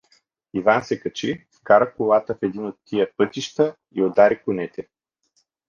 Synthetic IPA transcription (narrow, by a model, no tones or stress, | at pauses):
ivansɛkɐt͡ʃifkaɾɐkolˠat̪əfɛd̪inot̪ːijəpɤt̪iʃt̪ə | iod̪aɾikʊnɛt̪ɛ